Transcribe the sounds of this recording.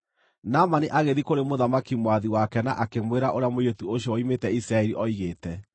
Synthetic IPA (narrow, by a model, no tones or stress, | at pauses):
namaniʔaɣeðikoɾemoðamakimwaðiwakɛnaʔakemweɾaʔoɾeamojetuoɕjɔɔimetɛisɾaɛɾiʔɔiɣeːtɛ